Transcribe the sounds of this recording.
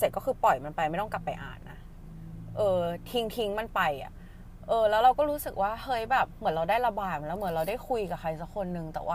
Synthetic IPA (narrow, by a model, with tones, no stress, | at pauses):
se˨˩t̪̚kɔː˥˩xʰɯː˧pɔ˨˩jma˧npa˧jma˥˩jt̪ɔ˥˩ka˨˩pːa̰˧jʔa̰ː˨˩nːa̰˦˥ | ʔɤː˧t̪ʰi˧˥ŋt̪ʰi˧˥ŋma˧npa˧ja̰˨˩ | ʔɤː˧lɛː˦˥wɾa˧wkɔː˥˩ɾuː˦˥sɯ˨˩k̚waː˥˩hɤː˦˧˥jbɛː˨˩p̚mɯ˩˦nɾa˧wdaː˥˩jɾa˧baː˨˩t̪̚m˨lɛː˦˥wmɯ˨˩˦ə˦nɾa˧wdaː˥˩jkʰu˧jka˨˩kʰa˧jsa˦˥kʰːo˧nːɯ˧ŋt̪ɛ̰ː˨˩waː˥˩